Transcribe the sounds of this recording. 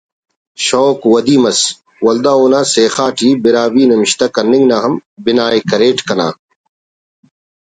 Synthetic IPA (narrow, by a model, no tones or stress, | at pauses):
ɕoːkwɐd̪iːmɐs | wɐld̪aːoːnaːseːxaːʈʰiːbɪɾaːbiːnɐmɪɕt̪ɐkɐnɪŋɡnaːɦɐmbɪnaːekɐɾeːʈkɐna̰ː